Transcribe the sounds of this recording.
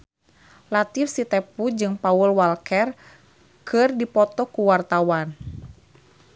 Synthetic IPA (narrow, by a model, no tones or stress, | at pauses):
lat̪ifsit̪ɛpud͡ʒɨŋpaulwalkɛr | kʰɨrdipɔt̪ɔkuwart̪awan